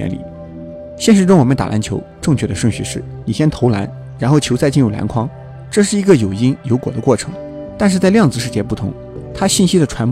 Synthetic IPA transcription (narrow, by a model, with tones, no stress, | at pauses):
ɛ̰˧˥nlḭ˨˩ | ɕjɛ˥˧nʂɻ̩˥˧ʈ͡ʂʊ˥ŋwɔ˨˩ə˦nt̪a̰˨˩lʔa̰˧˥nt͡ɕʰjo˧˥ʊʈ͡ʂɤ˥˩ŋt͡ɕʰɥɛ˥˩d̪ə˩ʂwə˥˧nɕy˥˧ʂɻ̩˥˩ | ni˨˩ɕjɛ˥nt̪ʰo˧˥ʊla̰˧˥n | ɻa˧˥nxo˥˩ʊt͡ɕʰjo˧˥ʊt͡sa˥˧ɪt͡ɕi˥˧ɻu˥˩la̰˧˥nkʰwɑ˥ŋ | ʈ͡ʂɤ˥˧ʂ̬ɻ̩˥˩i˧˥ɡə˥˧jo˨˩ʊi˥njo˧˥ʊkwɔ̰˨˩d̪ə˦kwɔ˥˩ʈ͡ʂʰɤ̥̰˧˥ŋ | t̪a˥˧nʂɻ̩˥˧t͡sa˥˧ɪljɑ˥˧ŋt͡sɹ̩˧ʂ̬ɻ̩˥˧t͡ɕjɛ˥˧pu˥˩t̪ʰʊ̰˧˥ŋ | t̪ʰa˥ɕi˥˩nɕi˥d̪ə˨ʈ͡ʂʰwa˧˥n